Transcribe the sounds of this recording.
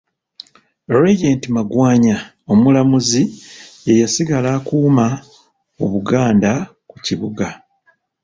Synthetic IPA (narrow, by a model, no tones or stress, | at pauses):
ɾejentimaɡwaːɲa | o̞mulamuziejasiɡalaːkuːma | oβuɡaːnda | kuciβuɡa